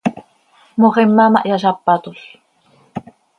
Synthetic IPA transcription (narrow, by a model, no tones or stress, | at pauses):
moʁemːɑmɑʔjaʃɑpːɑt̪uɬ